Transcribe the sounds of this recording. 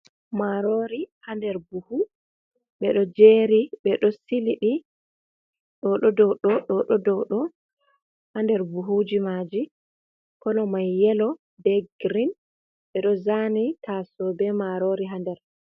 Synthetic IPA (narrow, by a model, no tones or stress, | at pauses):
maɾoɾihandɛɾbuhu | ɓɛɗɔd͡ʒeɾiɓɛɗɔsiliɗi | ɗɔɗɔdɔɗɔɗɔɗɔdɔɗɔ | handɛɾbuɦud͡ʒimad͡ʒi | kɔlɔmajːɛlɔ | dɛɡɾin | ɓɛɗɔzanitʰasɔbɛmaɾoɾiɦandɛɾ